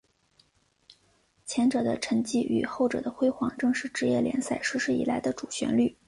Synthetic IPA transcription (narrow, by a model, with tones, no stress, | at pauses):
t͡ɕʰjɛ˧˥nʈ͡ʂɤ˨˩d̪ə˦ʈ͡ʂʰə˧˥ŋt͡ɕi˥˩ʔy̰˨˩xo˥˩ʊʈ͡ʂɤ̰˨˩d̪ə˦xwe˥ɪxwɑ˥˩ŋʈ͡ʂɤ˥˧ŋʂɻ̩˥˩ʈ͡ʂɻ̩˧˥jɛ˥˩ljɛ̰˧˥nsa˥˩ɪʂɻ̩˥ʂɻ̩˥˩ḭ˨˩la˧˥ɪd̪ə˧ʈ͡ʂu˨˩ɕɥɛ̰˧˥nly˥˩